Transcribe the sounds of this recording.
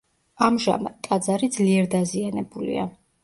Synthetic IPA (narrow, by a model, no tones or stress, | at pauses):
amʒa̰ma̰d̪t̪ʼad̪zaɾid̪zliɛɾd̪azianɛbulḭa̰